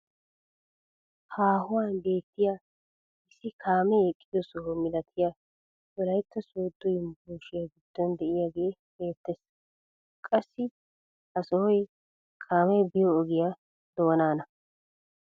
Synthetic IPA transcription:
haːhʊwaːnbe̞ːt̪ːɪja | ɪsːɪkʰaːmɛɛkʼːɪd̪ɔsɔhɔmɪlɐt̪ʰɪja | ɔlɐjt̪ːɐsuːd̪ːɔjmbuːʃɪjaɡɪd̪̥ːɔnd̪ɛʔɪjaɡe̞ːbe̞ːt̪ːɛs | kʼɐsːɪ | hɐsɔhɔj | kʰaːmɛjbɪjɔːɡɪja | d̪̥o̞ːnaːnɐ

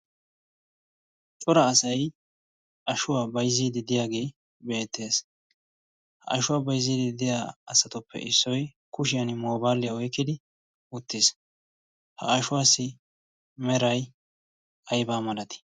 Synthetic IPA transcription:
t͡ʃʼɔɾɐːsɐj | ʔɐʃʊwaːbɐjzːiːd̪ɪd̪ɪjaːɡe̞ː | be̞ːt̪ːe̞ːs | hɐ̰ʔːʃʊwaːbɐjzːiːd̪ɪd̪ɪjaɐsɐt̪ʊpːɛ̰ʔɪsːɔj | kʊʃɪjɐnɪmoːbaːlːɪjɐɔjkːɪd̪ɪ | ʊt̪ːɪs | hɐ̰ːʃʊwaːsːɪ | mɛɾɐj | ɐjbaːmɐlɐt̪ɪ̥

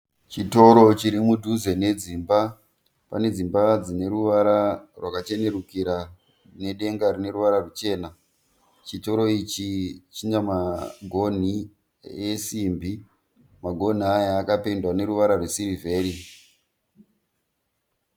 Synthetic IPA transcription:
t͡ʃito̞ɾo̞t͡ʃiɾimudʱuze̞ne̞d͡ziːmba | pa̰ne̞d͡zimbad͡zine̞ɾuʋaɾarwakat͡ʃe̞ne̞rukiɾa | ne̞ɗe̞ŋɡaɾine̞ɾuʋaɾarut͡ʃe̞ːna | t͡ʃito̞ɾo̞it͡ʃit͡ʃiɲamaɡʱo̞n̤i | esimbi | maɡʱo̞n̤iajaːkapendwane̞ɾuʋaɾarwesiɾive̞ːɾi

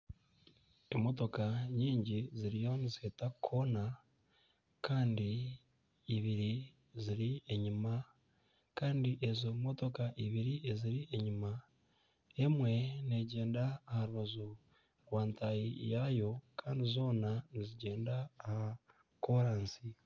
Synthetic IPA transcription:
emo̞to̞kaɲiːɲɟiziɾijo̞nizihetakʰo̞na | kaːndiː | βiɾi | ziɾie̞ɲima | kaːndiʔe̞zomoto̞kaʔiβiɾieziɾieɲima | e̞mwe̞ne̞ɟe̞ːndaːhaɾuβazo | ɾwaːntʰajijajo̞kʰaːndizo̞ːnaniziɟe̞ːndaːha | koɾaːnsi

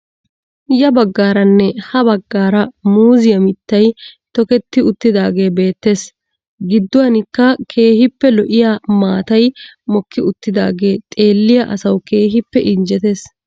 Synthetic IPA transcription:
jɐbɐɡːaːɾɐnːɛhɐbɐɡːaːɾɐmuːzɪjɐmɪt̪ːɐjt̪ɔkɛt̪ːɪʊt̪ːɪd̪aːɡe̞ːbe̞ːt̪ːe̞ːs | ɡɪd̪ːʊwɐnɪkːɐkʰe̞ːhɪpːɛlɔʔɪjaːmaːt̪ɐjmɔkːɪʊt̪ːɪd̪a̰ːɡe̞ːt̪ʼe̞ːlːɪjɐʔɐsɐwke̞ːɦɪpːɛʔɪnd͡ʒɛt̪e̞ːs

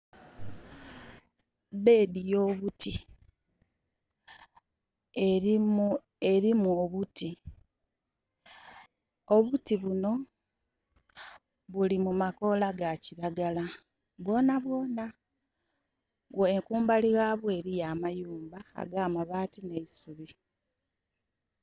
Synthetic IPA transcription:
be̞ːdijo̞βuti | eɾimuoβuti | oβutiβuno̞ | βulimumako̞laɡaciɾaɡala | βwo̞ːnaβwo̞ːna | oeŋkuːmbaliɣaːβwe̞ːɾijamajuːmba̰ːɡaːmaβaːtine̞isuβi

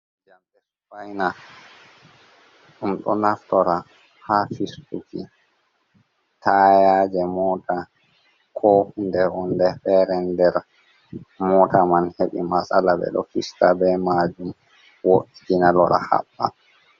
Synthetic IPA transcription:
d͡ʒamdɛsufajna | ɗumɗɔnaftɔɾa | hafistuki | tajad͡ʒɛmɔːta | kʰɔhundɛɾɔndɛfɛɾɛndɛɾ | mɔtamanheɓḭmasalabɛ̰ɗɔ̰fistabɛmad͡ʒum | woʔikinalɔɾa̰ha̰ɓːa̰

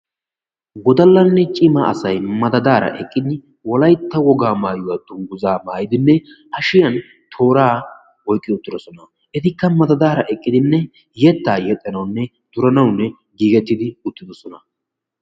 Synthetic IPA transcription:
ɡɔd̪ɐlːɐnːɛt͡ʃʼɪmɐɐ̰sɐjmɐd̪ɐd̪aːɾɐ̰ʔɛkʼːɪd̪ɪ | wɔlɐjt̪ːɐwɔɡaːmaːjʊwɐd̪ʊŋɡʊzaːmaːjɪd̪ɪnːɛ | ɐʃɪjɐn | t̪ʰo̞ːɾaː | wɔjkʼːɪjɔʊt̪ːɪd̪ɔsɔnɐ | ʔɛt̪ɪkːɐmɐd̪ɐd̪aːɾɐʔɛkʼːɪd̪ɪnːɛ | jɛt̪ːaːjɛt̪ʼːɐnɐwnːɛ | d̪̥ʊɾɐnɐwnːɛ | ɡiːɡɛt̪ːɪd̪ɪʊt̪ːɪd̪ɔsɔnɐ

